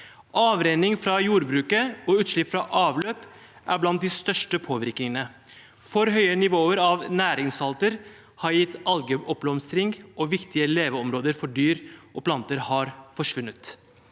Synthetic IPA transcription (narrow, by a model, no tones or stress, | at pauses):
ʔɑːʋɾeːnɪŋfɾɑjuːɾbɾʉːkəɔːʉːt̪ʂɭɪpːfɾɑʔɑːʋløːp | ʔæ̰ɾblɑnt̪̚d̪ɪst̪œʂʈəpʰoːʋɪɾknɪŋənə | fɔɾɦœʏənɪʋoːəɾɑʋnæːɾɪŋsɑlt̪əɾ | hɑɾjɪt̪ːɑlɡəʔɔplɔmst̪ɾɪŋɡʔɔʋɪkt̪ɪəleːʋəɔmɾoːd̪əɾfɔɖyːɾʔɔpʰlɑnt̪əɾhɑːɾfɔʂʋʉnːət̪